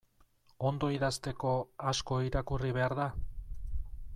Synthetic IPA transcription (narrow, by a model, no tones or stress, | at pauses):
o̞nd̪o̞iðast̪e̞ko̞asko̞iɾakuriβ̞e̞aɾða